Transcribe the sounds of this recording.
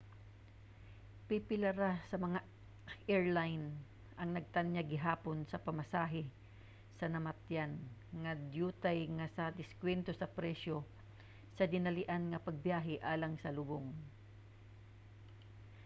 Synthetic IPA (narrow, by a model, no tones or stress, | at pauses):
pɪpɪlɐɾasɐmɐŋa | ʔɛɹlajn | ʔɐŋnɐɡ̚t̪anjaɡɪɦaːponsɐpɐmɐsaːɦɪ | sɐnɐmɐt̪janŋɐd̪juːt̪ajŋɐsɐd̪ɪskwɛnt̪osɐpɾɛʃo̞ | sɐd̪ɪnɐlɪʔanŋɐpɐɡ̚bjaːɦɪʔaːlɐŋsɐlʊboŋ